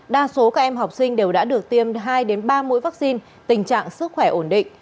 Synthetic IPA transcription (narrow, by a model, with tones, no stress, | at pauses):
ɗaː˧so˨˦kaː˦˥k̚ʔɛ˧mɦa˨˩wk͡p̚sï˧ŋ̟ɗe˨˩wɗa̰ː˧˥ɗɨ˨˩ək̚t̪i˧əmɦaː˧jɗe˨˦nɓaː˧mṵ˧˥jva˦˥k̚si˧n | t̪ï˨˩ŋ̟t͡ɕa̰ː˧˨ŋsɨ˦˥k̚xwɛ˧˩ʔo˧˩nɗḭ̈˧˨ŋ̟